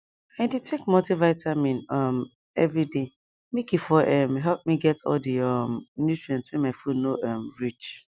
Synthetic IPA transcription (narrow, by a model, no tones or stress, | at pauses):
ãɪditʰekmɔtivaɪtʰamĩnʌm | ɛvɹide | mekifɔʔɛmɦɛlp̚miɡɛtɔ̰ldəʌmnjutɹiɔ̃ntswɛ̃maɪfunoʔʌmɹit͡ʃ